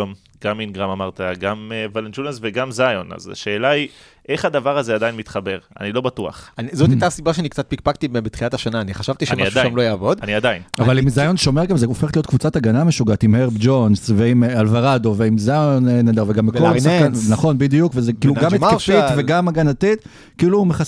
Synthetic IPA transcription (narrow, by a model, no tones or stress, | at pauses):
m | ɡ̥aminɡʁamamaʁt̪aɡamevalentulsveɡamzajona̰za̰ʃeːlai | ʔe̞χhad̪avaʁazead̪ajinmit̪χabe̞ʁa̰nilo̞bat̪ua̰χanizot̪ajt̪asibaʃeanik̚t͡sat̪̚pikpakt̪ibebet̪χilat̪aʃanaːniχaʃavt̪iʃaemniaaʃaʃamlojaːvo̞d̪aniad̪ainavalimzajo̞nʃo̞me̞ʁɡamzeofeχet̪lijot̪kvut͡sat̪aɡanameʃuɡat̪imheʁbd͡ʒo̞nsveimalvaʁad̪o̞veimzajonened̪aʁveɡambekollsakannaχo̞nbid̪ijukvezekiːluɡammekafiveɡamaɡanat̪it̪ | kiːlumeχa